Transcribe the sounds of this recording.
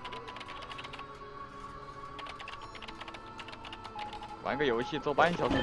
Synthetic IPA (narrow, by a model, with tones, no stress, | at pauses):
wʔa̰˧˥nɡə˥˩jo˧˥ʊɕi˥˧t͡swɔ˥˩pa˥i˥ɕjɑ˨˩ʊʂ̩˧˥